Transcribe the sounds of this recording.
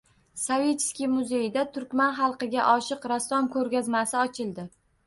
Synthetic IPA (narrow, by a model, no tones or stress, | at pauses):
save̞t͡ʃskʲimʊzejd̪at̪ʰʊɾkʲmanχɑlˠqɨɡʲa̰ʔɒʃɪqɾasːɒmkʰɵɾɡʲazmasɪɒt͡ʃʰɪlˠd̪ɪ